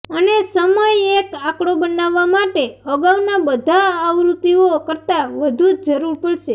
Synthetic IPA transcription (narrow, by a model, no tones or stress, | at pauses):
ənesəməjekakɽobənaʋːamaʈeəɡaʋnabəd̪ʱaəʋɾut̪iokəɾt̪aʋəd̪ʱud͡ʒd͡ʒəɾuɾpəɭʃe